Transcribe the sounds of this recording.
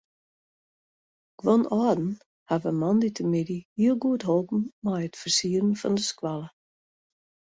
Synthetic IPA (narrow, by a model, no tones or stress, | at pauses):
ɡ̥wonʔɔːdn̩ | havəmɔnditʰəmɪdihiəlˠɡuətɦolˠpn̩mɛjətfərsiərən̩fɑ̰ndəskwalˠə